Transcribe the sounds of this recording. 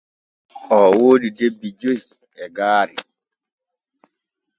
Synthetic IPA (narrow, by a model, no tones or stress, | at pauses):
ʔɔwoːdidebːid͡ʒoi | ɛɡaːɾi